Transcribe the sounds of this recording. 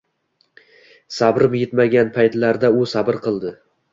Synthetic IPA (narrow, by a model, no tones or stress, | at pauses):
sabɾɪmjet̪maɡʲanpʰajt̪laɾd̪aʊsabɪɾqʰɨlˠd̪ɪ